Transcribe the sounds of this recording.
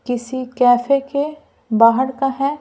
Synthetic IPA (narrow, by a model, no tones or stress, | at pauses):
kɪsikɛːfeke | baːɦəɽkaɦɛː